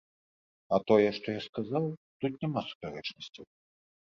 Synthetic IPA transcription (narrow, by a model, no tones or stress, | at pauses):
ɐt̪ɔjɛʂt̪ɔjaskazawt̪ut̪nʲamasu̥pʲaɾɛt͡ʂnɐsʲt͡sʲɐw